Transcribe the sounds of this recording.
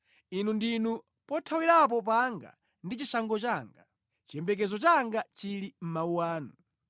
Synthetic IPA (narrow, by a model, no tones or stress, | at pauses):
inundinu | pɔtʰawiɾap̬ɔp̬aŋɡa̰ | ndit͡ʃisaŋɡɔt͡ʃaŋɡa | t͡ʃɛmbɛk̬ɛzɔt͡ʃaŋɡat͡ʃilim̩mauwaːnu